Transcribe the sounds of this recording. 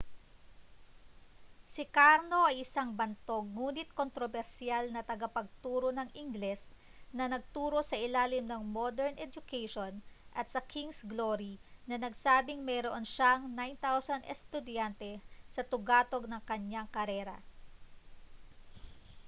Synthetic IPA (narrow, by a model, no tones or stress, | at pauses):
sɪkaɾno̞ʔɐjʔɪsaŋbɐnt̪o̞ɡ̚ŋuːnɪt̪̚kont̪ɾobɛɾsɪalnɐt̪ɐɡɐpɐɡ̚t̪uːɾo̞nɐŋʔɪŋɡlɛs | nɐnɐɡ̚t̪uːɾo̞sɐʔɪlaːlɪmnɐŋmod̪ɛɹnʔɛd͡ʒʊkɛjʃonʔɐt̪̚sɐkʰiŋsɡloɾinɐnɐɡsaːbɪŋmɛjɾoʔonʃaŋnajnt̪awsɐnd̪ʔɛ̰st̪ʊd̪jant̪ɛsɐt̪ʊɡaːt̪o̞ɡ̚nɐŋkɐɲaŋkɐɾɛːɾɐ̰